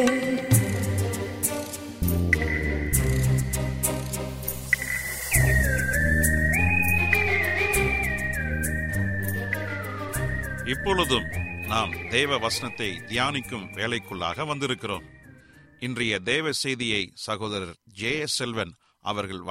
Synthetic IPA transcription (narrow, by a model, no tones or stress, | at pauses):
ɪpːɔːɭɯðɯmnaːmd̪eːʋɐʋɐsɐnɐt̪ːɐɪd̪ɪjaːnɪkːɯmʋeːlɐɪkːɯɭːa̰ːɣɐʋɐnd̪ɪɾɯkːɪro̰ːm | ɪndrɐjɐd̪eːʋɐsɛjðɪjɐɪsɐɣoːðɐɾɐɾd͡ʒeːsɛlʋɐn | ʔɐ̰ʋɐɾɣɐɭ